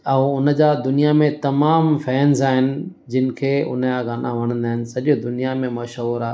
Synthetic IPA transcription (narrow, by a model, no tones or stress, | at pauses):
ɐũʊnəd͡ʑaːd̪ʊnijamẽt̪ɐmaːmfɛːnzaːɦɪnɪ̆ | d͡ʑɪnɪ̆kʰeːʊ̰nəjaːɡaːnʔãʋɐɽ̃ə̃nd̪aːɦɪnɪ̆sɐʄod̪ʊnijamẽmɐʃɦuːɾaː